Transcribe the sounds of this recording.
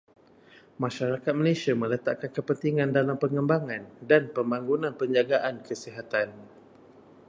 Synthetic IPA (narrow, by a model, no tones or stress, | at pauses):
mãʃaɾakat̪̚məlesiamə̃lət̪aʔkankəpənt̪iŋandalampəŋəmbaŋãndanpəmbaŋɡunãnpəɲd͡ʒaɡaʔankəsiɦat̪an